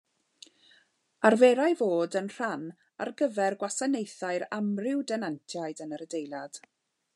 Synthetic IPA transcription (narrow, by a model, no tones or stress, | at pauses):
arveːɾajvoːdənr̥an | a̰rɡəvɛrɡwasanejθaɨɾamrɪwdɛnantʰjaɨdənəɾədejlˠad̥